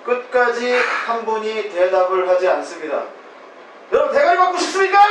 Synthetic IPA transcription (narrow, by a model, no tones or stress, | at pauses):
k͈ɯt̚k͈ad͡ʑihanbuɲite̞dabɯɭɦad͡ʑians͈ɯmɲida̰ | jʌɾʌbɯnteɡaɾipak͈oɕʰips͈ɯmɲik͈a